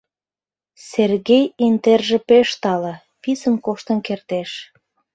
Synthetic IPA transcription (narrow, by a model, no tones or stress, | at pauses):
serɣejent̪erʒĕpeʃt̪ɑlə | pisənkoʃt̪ə̆nkert̪eʃ